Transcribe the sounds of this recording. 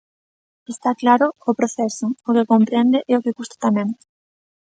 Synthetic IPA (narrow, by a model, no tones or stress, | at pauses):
est̪aklaɾʊːpɾoθɛsʊːkɪkompɾɛnd̪eʔɛokɪkust̪ḁt̪amɛ̃ŋ